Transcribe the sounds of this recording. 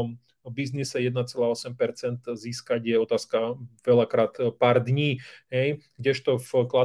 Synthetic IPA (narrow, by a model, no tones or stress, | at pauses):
m | biznisɛjɛd̪nat͡sɛlaːɔsɛmpɛɾt͡sɛnt̪ziːskaɟjɛɔt̪aːskaʋɛlakɾaːt̪paːɾd̪ɲiːɦɛjɡɟɛʃt̪ɔfkla